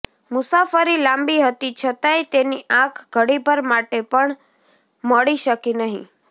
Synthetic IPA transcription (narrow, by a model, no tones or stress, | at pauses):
mʊsafəɾilãmbiɦət̪it͡ʃʰət̪ajt̪eniʔãkʰɡʱəɽibʱəɾmaʈepəɳ | məɭiʃəkinəɦḭ̃